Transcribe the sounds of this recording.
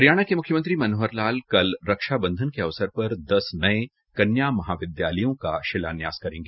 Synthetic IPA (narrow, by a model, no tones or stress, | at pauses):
pɐɾjaːɽ̃akemʊkʰjəmə̃nt̪ɾimɐnoɦəɾlaːlkɐlɾɐkʃabɐ̃nd̪ʱənkeɐʋsəɾpɐɾd̪ɐsnɐe | kɐnjaːmɐɦaːʋɪd̪jaːləjõka̰ʃɪla̰ːnjaːzkɐɾẽːŋɡeː